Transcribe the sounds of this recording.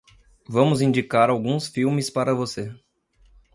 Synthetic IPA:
vɐ̃mʊzĩnd͡ʒikaɾawɡũsfiwmɪspaɾɐvose

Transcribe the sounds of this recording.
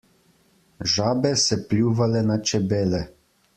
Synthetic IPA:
ʒaːbɛsɛplʲjuːʋalɛnat͡ʃɛbeːlɛ

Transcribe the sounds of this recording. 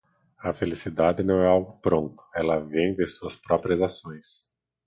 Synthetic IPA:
ɐfelisid̪ad̪ɪnɐ̃w̃ɛawɡʊpɾõnt̪ʊ̥ɛlɐvẽj̃d̪ɪsuɐspɾɔpɾiɐzasõj̃s

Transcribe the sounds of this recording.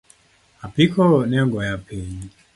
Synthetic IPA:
apikʰɔɔnɛŋɡɔjapʰeɲi

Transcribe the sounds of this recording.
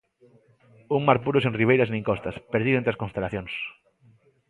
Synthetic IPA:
uŋmaɾpuɾʊsẽŋriβejɾasneŋkɔst̪ɐspeɾðiðẽnt̪ɾaskõnst̪elaθjoŋs

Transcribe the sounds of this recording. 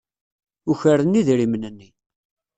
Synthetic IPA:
uçəɾənːiðɾimənənːi

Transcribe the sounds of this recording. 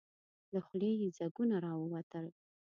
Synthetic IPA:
ləχʷlejid͡zaɡunaɾɑwəwat̪ʰəl

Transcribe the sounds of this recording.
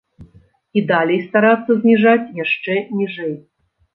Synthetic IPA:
id̪alʲɛjst̪aɾat̪sːɐzʲnʲiʐat͡sʲjaʂt͡ʂɛnʲiʐɛj

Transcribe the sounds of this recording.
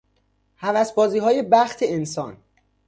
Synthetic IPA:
hævæsbɒːziːɦɒːje̞bæxt̪ʰeensɒːn

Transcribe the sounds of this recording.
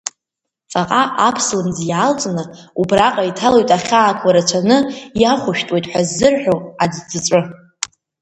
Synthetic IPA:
faqʼaʔapʰsɨlɨnzjalt͡sʼnɨubraqʼaitʰalojtʼaχʲaːkʷʰaɾat͡ɕʷʰanɨjaχʷʊʃᶣtʼwe̞jtʼħʷᶣazːɨrħᶣoad͡zd͡zɨt͡sʷʼʊ

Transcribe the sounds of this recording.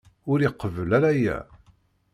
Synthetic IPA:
ʊɾiqːəvəlæɾæjæ̰

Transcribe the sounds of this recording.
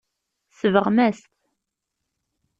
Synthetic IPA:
səvəʁmɛst̪

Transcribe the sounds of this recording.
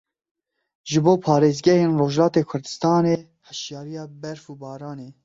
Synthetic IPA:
ʒɨboːpʰɑːɾeːzɡɛheːnroːʒlɑːt̪eːkʰʊɾd̪ɨst̪ɑːneː | hɨʃjɑːɾijɑːbɛɾfuːbɑːɾɑːneː

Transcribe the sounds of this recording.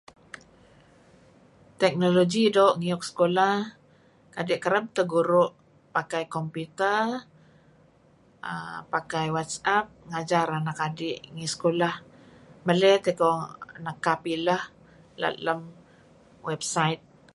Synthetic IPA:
t̪ɛk̚noloɡidoːʔŋiɔk̚sə̥kolah | kadɪʔkəɾəb̚t̪əɡuɾʊʔ | pakajkɔmpit̪ər | ə̰pakajwat̪sap̚ŋad͡ʒaɾanakadɪʔŋisə̥kolahməlɛt̪ekɔnakːapilah | la̰ləm | wɛbsajt̪̚

